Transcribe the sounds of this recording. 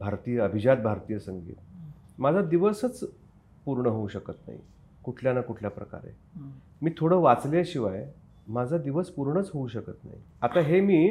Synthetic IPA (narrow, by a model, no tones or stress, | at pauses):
bʱaɾt̪ijəəbʱid͡ʑat̪̚bʱaɾt̪ijəsəŋɡḭːt̪̚ | mad͡zʱad̪iʋəsət͡s | puɾɳəɦouɕəkət̪na̰ɦḭ | kuʈʰljanakuʈʰljapɾə̰ka̰ɾḛ | miːt̪ʰoɽəːʋat͡sleɕiʋaj | mad͡zʱad̪iʋəspuɾɳət͡sɦouɕəkət̪na̰ɦḭ | at̪aɦemiː